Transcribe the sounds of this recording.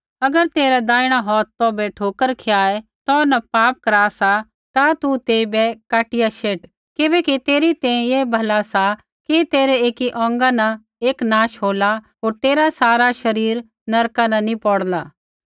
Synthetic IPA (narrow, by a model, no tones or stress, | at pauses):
ɐɡəɾt̪eːɾɛd̪ãːɪɽ̃aɦɔːt̪ːɔ̃bɛʈʰoːkəɾkʰejaːet̪ɔːnɐpaːp̚kɐɾaːsa | t̪at̪ut̪eːibɛkaːʈɪjaʃeːʈ | kɪʋɛ̃ːkit̪eːɾit̪ɛ̃ːĩjeːbʱɐlasa | kit̪eːɾɛeːkiʔɔ̃ːŋɡanɐ | eːknãːʃɦoːlaɦoːɾt̪eːɾasaːɾaʃɐɾiːɾ | nɐɾkanɐ̃nĩpɔːɽlaː